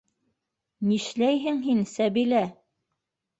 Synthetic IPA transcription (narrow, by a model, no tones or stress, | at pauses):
niʃlæjɦɘŋɦinsæβilæ